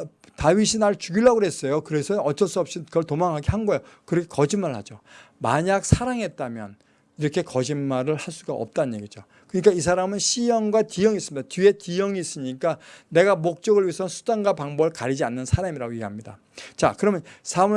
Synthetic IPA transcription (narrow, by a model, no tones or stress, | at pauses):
taɥiɕʰinaɭt͡ɕuɡiɭːaɡoɦe̞s͈ʌjokɯɾe̞sʰʌʌt͡ɕʰʌs͈uʌp̚ɕ͈ikɯʌɭtomaŋɦaɡehanɡʌjokɯɾʌkʰekʌd͡ʑinmaɾɯɭhad͡ʑo | ma̰ɲak̚sʰaɾaŋɦe̞t̚t͈amjʌ̰n | iɾʌkʰe̞kʌd͡ʑinmaɾɯɭhaɭs͈uɡaʌ̰p̚t͈anɲje̞̰ɡid͡ʑo | kɯɲik͈aisʰaɾamɯnɕʰijʌŋɡwatijʌŋis͈ɯmɲid̥atie̞tijʌŋiːs͈ɯɲik͈ane̞ɡamok̚t͡ɕ͈ʌɡɯɭɥiesʰʌnsʰu̥daŋɡapaŋbʌɭkaɾid͡ʑianːɯnsʰaɾamiɾaɡojeɡeɦamɲida̰ | t͡ɕa̰kɯɾʌmjʌnsʰa